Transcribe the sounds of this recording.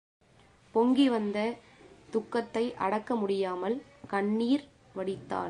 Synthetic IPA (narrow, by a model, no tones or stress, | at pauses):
pɔŋɡiʋɐnd̪ɐ | t̪ʊkːɐt̪ːɐɪʔɐ̰ɽɐkːɐmʊɽɪjaːmɐlkɐɳːiːɾ | ʋɐɽɪt̪ːa̰ːɾ